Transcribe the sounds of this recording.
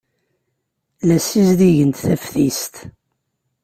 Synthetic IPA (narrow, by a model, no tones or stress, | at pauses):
læsizd̪iʝənt̪θæfθist̪